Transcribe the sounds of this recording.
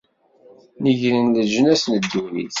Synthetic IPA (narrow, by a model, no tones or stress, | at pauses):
nəʝɾənləʒənæsnəd̪ːəhlḭθ